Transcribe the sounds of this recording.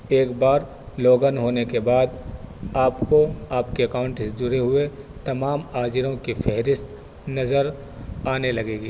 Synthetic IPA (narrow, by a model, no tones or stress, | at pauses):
eːkbaːɾ | loːɡənɦoːnekebaːd̪aːpkoaːpkeɐkaːʊ̃ɳʈsed͡ʒ̪ʊɾeɦʊet̪ɐmaːmaːd͡ʒɪɾõkifɛɦɾɪst̪ | nɐzəɾ | aːnelɐɡeːɡiː